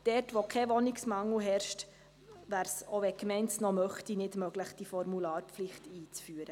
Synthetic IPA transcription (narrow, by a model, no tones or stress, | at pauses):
d̥ɛtʋokʰɛʋɔnɪksmɑŋl̩ɦɛɾʃt | ʋæːɾsoʋɛkmɛɪnsnɔmœχtinɪdmœɡləχd̥ifɔɾmulɑːɾpflɪχtiːt͡sfyːəɾə